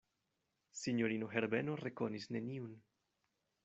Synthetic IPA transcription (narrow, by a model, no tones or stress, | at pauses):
siɲoɾinoɦeɾbenorekonisneniun